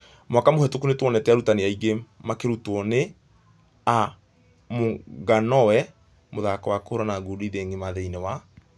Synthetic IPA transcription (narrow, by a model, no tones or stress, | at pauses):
mwakamohɛtokunetwɔnɛtɛaɾutaneaiɡemakeɾutɔne | a | moɡanɔwɛ | moðakɔwakohoɾanaɡoɾiðeŋɡemaðeinewa